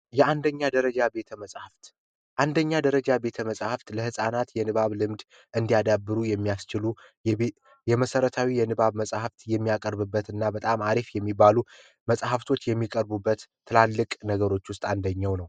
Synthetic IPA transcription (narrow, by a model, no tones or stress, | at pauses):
jɛand̪əɲːad̪əɾəd͡ʒabe̞t̪ʰəməsʼhaft̪ | ʔand̪əɲːad̪əɾəd͡ʒabe̞t̪ʰəməsʼhaft̪ləhɨsʼanat̪jɛnɨβaβlɨmd̪ | ʔɨnd̪iad̪abːɨɾujɛmːijast͡ʃɪlu | jɛməsəɾət̪ʰawijɛnɨβaβməsʼhaft̪jɛmːijakʼəɾbɨbːət̪ɨnːabət̪ʼamaɾifjɛmːibːalu | məsʼhaft̪ʰo̞t͡ʃːjɛmːikʼəɾbubːət̪ʰːɨlalːɨkʼnəɡəɾo̞t͡ʃːwʊst̪ʼand̪əɲːawnəw